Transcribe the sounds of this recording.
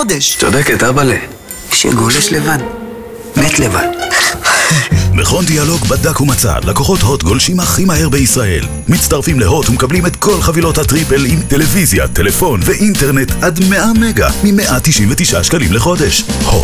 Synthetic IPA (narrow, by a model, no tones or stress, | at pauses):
deʃt͡sodeketabale | ʃḛɡoleʃlevan | met̪levan | meχo̞ndialo̞ɡbadakhumat͡sa̰lːakoχo̞tho̞tɡo̞lʃimhaχimahe̞ʁbeisʁaʔe̞̰l | mit͡staʁfimleɦo̞thumekablimetko̞lχavilo̞thatʁipe̞limte̞le̞vizja̰telefo̞nveʔinte̞ʁnetʔadmeame̞ɡa̰mimeʔatiʃʔinvet̪iʃʔa̰ʃkalimleχo̞deʃho